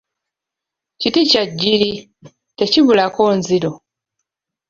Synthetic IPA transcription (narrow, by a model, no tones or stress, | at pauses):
citicaɟːiɾi | te̞ciβulako̞ːnziɾo̞